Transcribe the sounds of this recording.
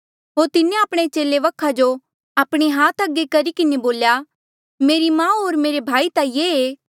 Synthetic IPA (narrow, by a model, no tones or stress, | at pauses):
ɦoːɾt̪ɪnẽaːpɽ̃et͡ʃeːleʋɐkʰːad͡ʒo | aːpɽ̃iɦaːt̪ʰɐɡːekɐɾikɪneboːlja | meːɾimãːɦoːɾmeːɾebʱaːit̪ajeːeː